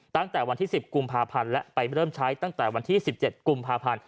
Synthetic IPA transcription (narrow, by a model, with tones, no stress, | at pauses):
t̪a˥˩ŋt̪ɛː˨˩wa˧nt̪ʰiː˥˩si˨˩p̚ku˧mpʰaː˧pʰa˧nlɛ˦˥pa˧jɾɤː˥˩mt͡ɕʰaː˦˥jt̪a˥˩ŋt̪ɛː˨˩wa˧nt̪ʰiː˥˩si˨˩p̚t͡ɕe˨˩t̪̚ku˧mpʰaː˧pʰa˧n